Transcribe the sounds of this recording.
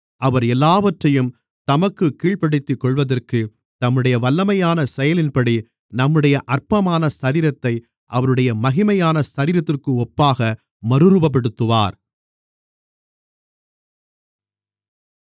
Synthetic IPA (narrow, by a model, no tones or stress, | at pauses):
ʔɐʋɐɾɛlːaːʋɐʈrɐjɯm | t̪ɐmɐkːɯkːiːɭpɐɽɪt̪ːɯkːɔɭʋɐðɐrkɯ | t̪ɐmːɯɽɐjɐʋɐlːɐmɐjaːnɐsɛjɐlɪnpɐɽi | nɐmːɯɽɐjɐʔɐrpɐmaːnɐsɐɾiːɾɐt̪ːɐɪ | ʔɐʋɐɾɯɽɐjɐmɐɣɪmɐjaːnɐsɐɾiːɾɐt̪ːɪrkɯɔpːaːɣɐ | mɐɾɯɾɯbɐp̬ːɐɽɯt̪ːɯʋa̰ːɾ